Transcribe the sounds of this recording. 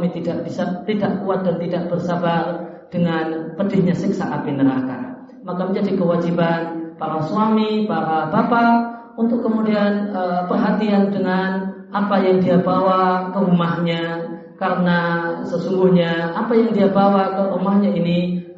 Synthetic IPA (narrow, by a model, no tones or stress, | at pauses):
mit̪idaʔb̥isat̪idaʔkuat̪̚dant̪idaʔ̚b̥ərsabar | d̥əŋanpədɪhɲasɪksaʔapinəɾa̰hka̰n | makaməɲd͡ʒadikəwad͡ʒibanpaɾasuamipaɾabapa | unt̪ʊkːəmudianəpərɦat̪iandəŋan | apajaŋdiabawakəɾumahɲa | kaɾənasəsuŋɡuhɲaapajaŋdiabawakəʔumahɲaini